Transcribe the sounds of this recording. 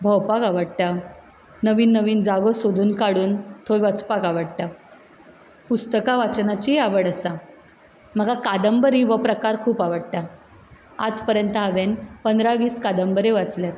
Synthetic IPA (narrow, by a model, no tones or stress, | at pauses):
bʱəwpakaʋəɽt̪a | nəʋiːnːəʋiːnd͡zaɡosod̪uːnkaɽuːnt̪ʰojʋət͡spakaʋəɽʈ̪a | pust̪əkaʋat͡snat͡ɕiaʋəɽəsa | m̤əɡakad̪əmbəɾiʋəpɾəkaɾkʰuːpaʋəɽt̪a | a̰d͡zpəɾjənt̪əaʋenpənd̪ɾaʋiːskad̪əmbəɾeʋat͡sljat̪